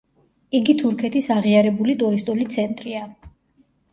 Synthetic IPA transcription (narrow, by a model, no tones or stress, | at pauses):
iɡit̪ʰuɾkʰɛt̪ʰisaʁiaɾɛbulit̪ʼuɾist̪ʼulit̪sʰɛnt̪ʼɾia